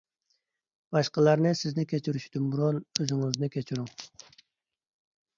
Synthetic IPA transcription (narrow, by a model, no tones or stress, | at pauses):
b̥ɑʃqəlˠɑɾnɨsɪznɪkʲʰet͡ʃʰyɾyʃd̪ymbuɾolˠøzɪŋɪznɪkʲʰet͡ʃʰyɾyŋ